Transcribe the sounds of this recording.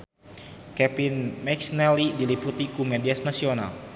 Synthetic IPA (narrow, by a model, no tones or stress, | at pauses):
kɛpinmɛksnɛlidiliput̪ikumɛdiasnasiona̰l